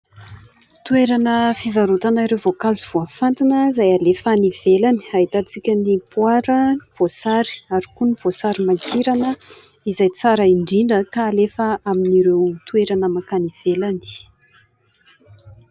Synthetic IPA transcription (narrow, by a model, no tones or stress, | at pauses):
t̪ueɾanəfivaɾut̪anaiɾewvokazuv̥oafant̪inəzajalefaniv̥elani̥aɦit̪at͡sikʲənipwaɾəiv̥osaɾi̥aɾikuniv̥osaɾimakʰiɾanə | izajt͡saɾaiɳɖ͡ʐiɳɖ͡ʐəkaːlefəaminiɾewt̪ueɾanəmakaniv̥elani̥